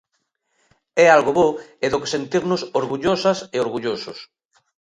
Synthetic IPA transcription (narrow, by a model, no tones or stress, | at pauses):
ɛalɣoβoeðoke̥sent̪iɾnʊsoɾɣuʎosɐseoɾɣuʎosʊs